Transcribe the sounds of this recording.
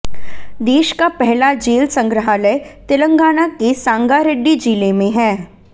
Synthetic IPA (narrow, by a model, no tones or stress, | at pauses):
d̪eːʃkapɛɦlad͡ʒeːlsə̃ŋɡɾəɦaːləɪt̪ɪlə̃ŋɡaːnakesãːŋɡaɾɪɖːid͡ʒiːlemẽɦɛː